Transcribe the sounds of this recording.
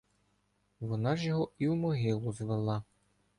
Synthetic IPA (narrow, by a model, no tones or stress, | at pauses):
ʋɔnɑʒjɔɦɔiwmɔɦɪlˠʊzʋelˠɑ